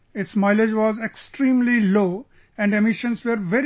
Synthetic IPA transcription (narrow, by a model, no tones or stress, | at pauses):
ɪʈsmaɪled͡ʒʋɔːzeksʈɾĩːmliloː | ɛ̃ɳɖemɪʃə̃nsʋəɾʋɛɾ